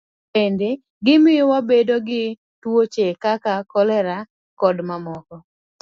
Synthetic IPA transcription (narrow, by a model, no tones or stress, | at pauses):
pende | ɡɪmɪɔwabedoɡɪ | twot͡ʃekakakɔlɛɾa | kɔdmamɔkɔ